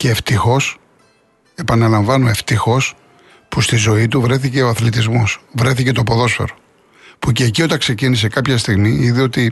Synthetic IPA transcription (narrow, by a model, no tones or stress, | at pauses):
ce̞ːft̪ixo̞s | e̞pɐnɐlɐɱvɐnoe̞ft̪ixo̞s | pust̪izo̞it̪uvɾe̞θice̞o̞ɐθlit̪̬izmo̞svɾe̞θice̞t̪o̞po̞ðo̞sfe̞̰ɾo̞ | puceːcio̞t̪ɐŋkse̞cinis̬e̞kɐpçɐst̪iɣmiiðio̞t̪i